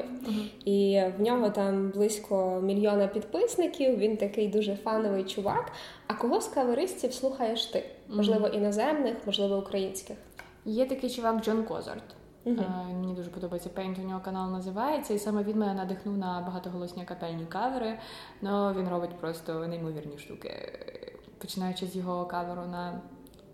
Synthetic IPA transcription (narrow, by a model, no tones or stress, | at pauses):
iwnʲɔɦɔt̪ɑmblˠɪsʲkʰɔmʲilʲjɔnɐpʲid̪pɪsnɪkʲiwʋʲint̪ɐkɪjd̪uʒɛfɑnɔʋɪjt͡ʃʊʋɑ̰k | ɐkɔɦɔskɐʋeɾɪsʲt͡sʲiwslˠuxɐjeʃt̪ɪmɔʒlˠɪʋɔʔinɐzɛmnɪxmɔʒlˠɪʋɔukɾɐjinʲsʲkɪx | jɛt̪ɐkɪjt͡ʃʊʋɑkd͡ʒɔnkɔ̰zɐ̰rt̪ | ɦʲimenʲid̪uʒɛpɔd̪ɔbɐjet͡sʲɐpɛjnʲt̪ɔnʲɔɦɔkɐnɑlˠnɐzɪʋɑjet͡sʲːɐisɑmɛʋʲinmɛnɐd̪ɪxnuwnɐbɐɦɑt̪ɔɦɔlˠɔsʲnʲiɐkɐpɛlʲnʲikɑʋeɾɪ | nɔʋʲinrɔbɪtʲpɾɔst̪ɔnɐimɔʋʲirnʲiʃt̪ukɪ̰ | pɔt͡ʃɪnɑjʊt͡ʃɪzjɔɦɔkɑʋeɾʊnɐ